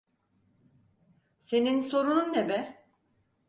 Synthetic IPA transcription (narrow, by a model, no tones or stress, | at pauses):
se̞ninso̞ɾununːebɛ